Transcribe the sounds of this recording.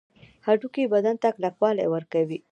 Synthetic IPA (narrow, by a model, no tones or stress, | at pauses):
haɖukibad̪ant̪aklakwɑla̰jwəɾkawi